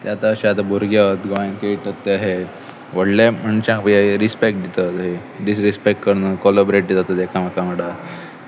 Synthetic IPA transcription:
t̪eat̪aəɕiat̪abʱuɾɡjət̪ɡʋajnkeʈət̪ːeaɦe | ʋəɽlem̤əɳɕãpə̃jaɾispek̚ʈ̚d̪it̪ət̪ɦe | ɖisɾispekʈkəɾnəkɔlobɾeʈ̚d̪ed͡zat̪ət̪ekʰam̤akaməɽa

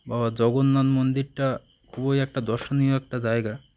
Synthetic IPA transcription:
babad͡ʑɔɡonːanmond̪iɾʈakʰubojɛk̚ʈad̪ɔɾʃonioɛk̚ʈad͡ʑaeɡa

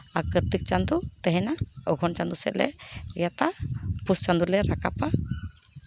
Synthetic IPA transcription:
akəɾt̪ik̚t͡ʃand̪ut̪ɛɦɛnaɔɡʱɔnt͡ʃand̪usɛ̰ʔlɛ̰jat̪apust͡ʃand̪ulɛɾakapa

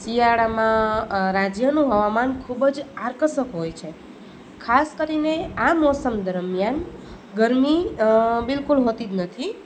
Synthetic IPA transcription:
sijaɽamãɾad͡ʒjənũɦəʋamankʰubəd͡ʒaɾkəsəkɦojt͡ʃʰe | kʰaskəɾineamɔsəmd̪əɾmjan | ɡəɾmibɪlkulɦot̪id͡ʒ̪nət̪ʰi

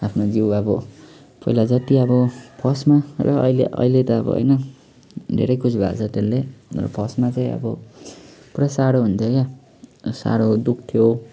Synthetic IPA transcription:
apʰnod͡ziwʌbʌ | pʌilad͡zʌt̪iʌbʌpʰʌsmalʌ̰ʌ̰ileʔʌ̰ilet̪ʌʌbʌ̰ɦʌ̰jnʌ | dʱḛɾʌjkʰut͡sʰbʱa̰t͡sʰʌt̪elːerʌ̰pʰʌsmat͡saĩʌ̰bʌ | puɾasaɽoɦunt̪ʰjoka | sa̰ɽod̪uk̚ʰt̪ʰjo

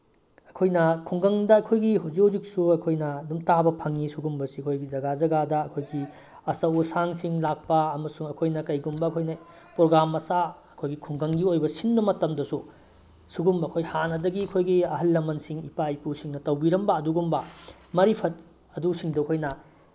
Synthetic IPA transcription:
ɐkʰojnɐkʰuŋɡɐŋdɐɐkʰojɡiɦuwzikhuzik̚suɐkʰojnɐːdumtabɐpʰɐŋːisuɡumbɐsiɐkʰojɡid͡ʒɐɡazɐɡadɐɐkʰojɡi | ɐsɐwusaŋsiŋlak̚pɐɐmɐsuŋɐkʰojnɐkɐjɡumbɐɐkʰojnɐ | pɾoɡɾamːɐsaɐkʰojɡikʰuŋɡɐŋɡiojbɐsinbɐmɐtɐmdɐsu | suɡumbɐɐkʰojhanɐdɐɡiɐkʰojɡiɐɦɐlːɐmɐnsiŋipajpusiŋnɐtɐwbiɾɐmbɐːduɡumbɐ | mɐɾipʰɐt̚ | ɐdusiŋdɐɐkʰojnɐ

